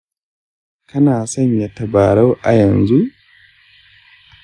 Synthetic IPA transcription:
kʰɐ˦naː˨sɐ˦ɲja˦tɐ˨baː˨ɽa˦wʔa˨jɐ˨nzu˦ʔ

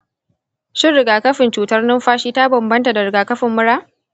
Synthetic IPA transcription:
ʃɪ˦nɾɪ˨ɡaː˨kɐ˦ɸɪ˨nt͡ʃuː˨tɐ˦rnɪ˦mɸaː˦ʃiː˦ta˦bɐ˨mbɐ˦nta˨da˨ɾɪ˨ɡaː˨kɐ˦ɸɪ˨mːʊ˦ɽaː˦

